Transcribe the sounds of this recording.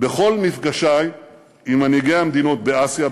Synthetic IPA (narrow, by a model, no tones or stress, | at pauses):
beχo̞lmifɡaʃaj | imaniɡejamd̪ino̞t̚beasja